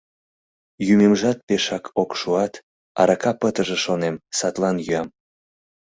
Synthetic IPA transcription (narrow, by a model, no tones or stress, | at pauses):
jymemʒɑt̪̚peʃɑkʰokʃuɑt̪ | ɑ̰ɾɑkɑpət̪əʒĕʃonemsɑt̪lɑnjyɑm